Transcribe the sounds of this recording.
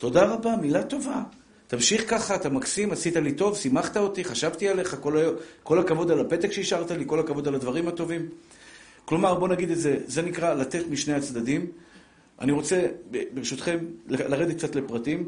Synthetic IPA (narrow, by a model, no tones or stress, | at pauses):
t̪o̞d̪aʁabamilat̪o̞va | t̪amʃiχkaχaːt̪amaksimasit̪alit̪o̞vsimaχt̪ao̞t̪iχaʃavt̪iale̞χakolako̞lakavo̞d̪alape̞t̪eχʃeiʃaʁt̪aliko̞lakavo̞d̪alad̪vaʁimat̪o̞vim | klo̞maʁbo̞naɡid̪e̞tze̞ze̞nikʁalat̪e̞t̪miʃne̞jat͡sd̪ad̪im | ʔa̰niʁo̞t͡se̞bebeʃut̪χe̞mlelaʁed̪tk̚t͡sat̪le̞pʁat̪im